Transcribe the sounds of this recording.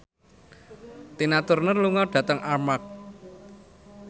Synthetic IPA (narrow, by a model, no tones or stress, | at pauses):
t̪inat̪ʊrnərluŋɔɖ̥ä̤t̪əŋarmak̚